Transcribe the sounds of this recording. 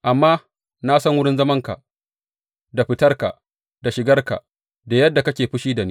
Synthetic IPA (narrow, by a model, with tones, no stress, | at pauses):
ʔa˨mːaː˦ | naː˦sɐ˦ŋwʊ˦ɽɪ˦nzɐ˦mɐ˦ŋka̰˨ | da˨ɸɪ˦tɐ˦rka̰˨ʔ | da˨ʃɪ˨ɡɐ˦rka̰˨ | da˨jɐ˦dːa˨kɐ˦kʲeː˨ɸɪ˦ʃiː˦da˨ni˦